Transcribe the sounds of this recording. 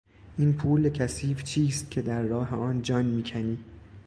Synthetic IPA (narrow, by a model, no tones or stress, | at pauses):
ʔiːnpʰuːlecʰæsiːft͡ʃʰiːst̪̚cʰe̞d̪æɾːɒːɦeɒːnd͡ʒɒːnmiːcʰæniː